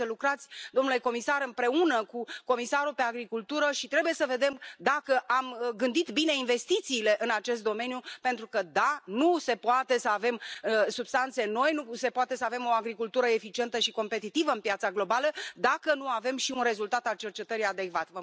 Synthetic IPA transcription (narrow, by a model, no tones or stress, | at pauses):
əlukɾat̪sʲd̪o̞mnule̞ko̞misaɾɨmpɾe̞unəkuko̞misaɾupe̞aɡɾikult̪uɾəʃit̪ɾe̞buje̞səve̞d̪e̞md̪akəʔamɡɨnd̪it̪bine̞inve̞st̪it̪siːle̞ʔɨnat͡ʃe̞st̪d̪o̞me̞njupe̞nt̪ɾukəd̪anuse̞poat̪e̞səave̞msubst̪ant̪se̞no̞jnuse̞poat̪e̞səave̞mo̞aɡɾikult̪uɾəe̞fit͡ʃie̞nt̪əʃiko̞mpe̞t̪it̪ivəɨmpjat̪saɡlo̞baləd̪akənuave̞mʃiunre̞zult̪at̪alt͡ʃe̞rt͡ʃe̞t̪əɾijad̪e̞kvat̪və